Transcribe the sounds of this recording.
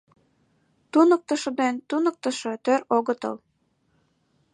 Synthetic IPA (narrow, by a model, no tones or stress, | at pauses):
t̪unɤ̆k̚t̪ɤ̆ʃɤ̆d̪ent̪unɤ̆k̚t̪ɤ̆ʃɤ̆t̪øɾoɣɤ̆t̪ɤ̰l